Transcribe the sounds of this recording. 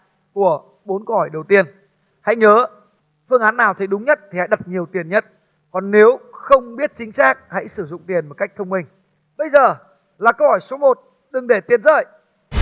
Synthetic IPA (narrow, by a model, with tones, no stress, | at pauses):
ku˧˩ə | ɓo˨˦nko˧whɔ˧˩jɗə˨˩wt̪i˧ən | ha̰˧˥jɲəː˨˦ | fɨ˧əŋʔaː˨˦nːaː˨˩wt̪ʰi˨˩ɗʊ˨˦ŋ͡mɲə˦˥t̚t̪ʰi˨˩ha̰˧˥jɗə˨˩t̚ɲi˨˩əwt̪i˨˩ənɲə˦˥t̚ | kɔ˨˩nːe˨˦wxə˧wŋ͡mɓi˦˥ət̚t͡ɕï˨˦ŋ̟saː˦˥k̚ha̰˧˥jsɨ˧˩zʊ̰˧˨ŋ͡mt̪i˨˩ənmo˨˩t̚ka˦˥jk̚t̪ʰə˧wŋ͡mmï˧˩ŋ̟ | ɓə˧jzəː˨˩ | laː˨˩kə˧whɔ˧˩jso˨˦mo˨˩t̚ | ɗɨ˨˩ŋɗe˧˩t̪i˧˩ənzə̰ː˧˨j